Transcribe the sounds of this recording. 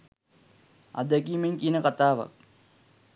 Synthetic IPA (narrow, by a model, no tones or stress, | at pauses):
a̰d̪əkiːmeŋkiənəkat̪aːʋa̰k̚